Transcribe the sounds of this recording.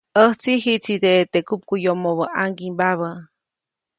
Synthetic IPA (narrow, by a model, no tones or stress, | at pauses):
əht͡siɦit͡sit̪et̪ekup̚kujomoβəʔaŋɡimbaβə